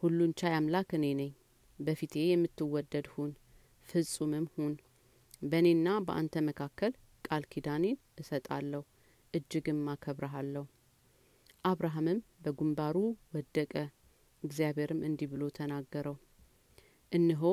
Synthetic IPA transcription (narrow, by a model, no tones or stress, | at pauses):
hulːunt͡ʃʰajamlakɨne̞nəɲː | bəfit̪ʰe̞jɛmːɨt̪ːɨwɔd̪ːəd̪hun | fɨzʼumɨmhun | bəne̞nːabəʔa̰nt̪ʰəməkʰakːəl | kʼalkʰid̪anen | ɨsət̪ʼa̰lːəhu | ʔɨd͡ʒːɪɡɨmːakʰəβɾəɦalːəhu | ʔaβɾaɦamɨmbəɡumbaɾuwɔd̪ːəkʼə | ɨɡzijaβe̞ɾɨmʔɨnd̪iβɨlo̞t̪ʰənaɡːəɾəw | ʔɨnːɨɦo